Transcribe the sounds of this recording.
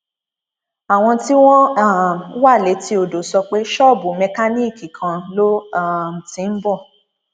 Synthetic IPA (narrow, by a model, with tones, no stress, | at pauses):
a˨w̃ɔ̃˧ti˦w̃ɔ̃˦a˦˨m˨˦wa˦˨le˨˦ti˧˦o˨do˨sɔ˧k͡pe˦ʃɔ˦˨bu˨˦mɛ̃˧ka˦ni˦˨ki˨kʰã˨lo˦a˦˨tĩ˨˦n̩˦bɔ˦˨